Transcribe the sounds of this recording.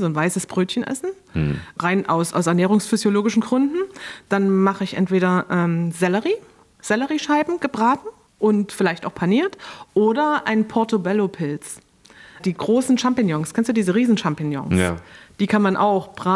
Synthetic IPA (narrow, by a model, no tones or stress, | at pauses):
zoːnvaɪsəsb̥ʁøːtçənʔɛ̰sn̩ | ʁaɪnʔa̰ʊsʔa̰ʊsɛɐnɛːʁ̞ʊŋsfyzjoloːɡɪʃn̩ɡʁʏndn̩d̥anmaχəɪçʔɛ̰ntv̥eːɾɐʔɛːmzɛləʁiː | z̥ɛləʁiːʃaɪbm̩ɡ̥əbʁaːtn̩ | ʔʊntfɪlaɪçtaʊxpʰaniːɐtʔoːɾɐʔa̰ɪnpʰɔɐtobɛlopʰɪlt͡s | d̥iːɡʁoːsn̩ʃampɪŋjɔŋskʰɛnstd̥uːdiːzəʁiːzn̩ʃampɪŋjɔ̰ŋsd̥iːkʰanmanʔa̰ʊxb̥ʁaː